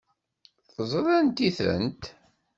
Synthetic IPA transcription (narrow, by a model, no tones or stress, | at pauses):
θəzˤɾˤænt̪iθə̰nt̪